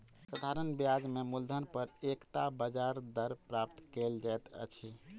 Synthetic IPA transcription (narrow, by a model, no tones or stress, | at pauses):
sad̪ʱaɾənbijad͡ʒmemuld̪ʱənpəɾekt̪abəd͡ʒaɾd̪əɾpɾap̚t̪keld͡ʒajt̪ə̰t͡ʃʰi